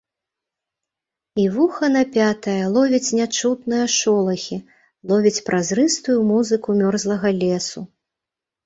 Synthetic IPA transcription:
ivuxɐnɐpʲat̪ɐjɐlˠɔvʲit͡sʲnʲat͡ʂut̪nɨjɐʂɔlˠɐxʲi | lˠɔvʲit͡sʲpɾʔazɾɨst̪ujumuzɨkumʲɔrzlˠɐɣɐlʲɛsu

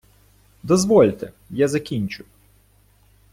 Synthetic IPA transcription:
d̪ɔzʋɔlʲt̪ɛ | jazɐkʲinʲt͡ʃʊ

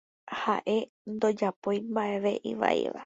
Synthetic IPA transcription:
haʔe̞ | nd̪o̞d͡ʒapo̞jmbaʔe̞ʋe̞ʔiʋa̰ḭʋa̰

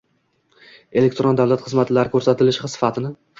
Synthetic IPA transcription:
e̞lek̚ʲt̪ɾond̪avlat̪χɨzmat̪ʰɪlaɾɪkʰɵɾsat̪ʰɪlɪʃχɨsɪ̥fat̪ʰɪnɪ

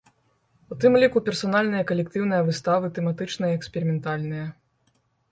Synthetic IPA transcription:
ut̪ɨmlʲikupʲɛrsanalʲnɨjɐkɐlʲɛk̚t̪ɨwnɨjɐvɨst̪avɨt̪ɛmat̪ɨt͡ʂnɐjɛksʲpʲɛɾimʲɛnt̪alʲnɨjɐ

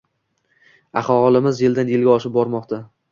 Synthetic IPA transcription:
aχɒʁɒlˠɪmɪzjeld̪anjɪlɡʲaɒʃɪp̚bɒɾmɒqt̪ʰa

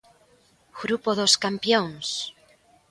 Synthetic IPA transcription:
ɣ̥ɾupoðoskampjoŋs

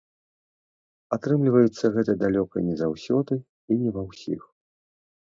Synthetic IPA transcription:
at̪ɾɨmlʲivɐjut̪sːɐɣɛt̪ɐd̪alʲɔkɐ̰nʲɛzawsʲɔd̪ɨ | inʲɛvawsʲḭx

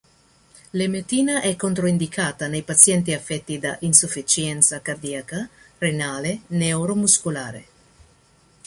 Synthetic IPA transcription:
lemet̪iːnaʔɛkːont̪ɾoind̪ikʰaːt̪anejpat̪sjɛnt̪̬iafːɛt̪ːid̪a̰ʔinsufit͡ʃjɛnt̪sakard̪iakarenaːlenewɾomuskulaːɾḛ

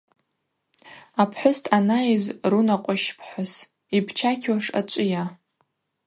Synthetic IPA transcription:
apʰħʷʊstʰʼanaizrunaqʷʼʊʃpʰħʷʊs | ibʰt͡ʃʰakʲʰwaʂa̰t͡ʃʷʼɪja

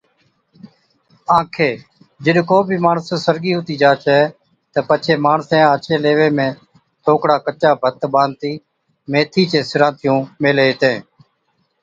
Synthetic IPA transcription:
ãːkʰeː | d͡ʒɪɗkoːbʱiːmaːɳssəɾɡiːɦʊt̪iːd͡ʒaːt͡ʃɛː | t̪əpət͡ʃʰeːmaːɳsẽːaːt͡ʃẽːleːʋeːmẽː | t̪ʰoːkɽaːkət͡ʃaːbʱət̪ɓãːnt̪iː | mẽːt̪ʰiːt͡ʃeːsɪɾãːt̪ʰɪjũːmeːleːt̪ẽː

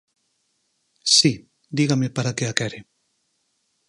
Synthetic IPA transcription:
si | d̪iɣamepaɾakeakɛɾe

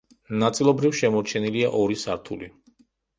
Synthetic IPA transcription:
nat̪sʼilˠɔbɾifʃɛmɔɾt͡ʃʰɛniliaʔɔɾisaɾt̪ʰṵli

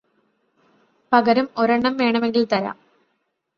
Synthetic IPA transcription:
pɐɣɐɾumo̞ɾɐɳːɐmʋe̞ːɳɐme̞ŋɡilt̪ɐɾa̰ːm

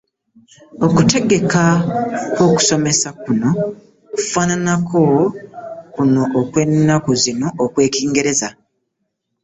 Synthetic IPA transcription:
o̞kute̞ɡe̞kakwo̞ːku̥so̞me̞sakuno̞ | ku̥faːnanakʰo̞ | kuno̞ʔːkwe̞nːakozino̞ʔːkwe̞ːkiːŋɡe̞ɾe̞za

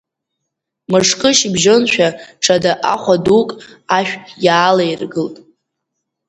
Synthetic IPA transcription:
mɨʂkʼɨʃbʒonʃᶣaʈ͡ʂʰadaʔaχʷadukʼ | aʃᶣjaːlajrɡɨltʼ

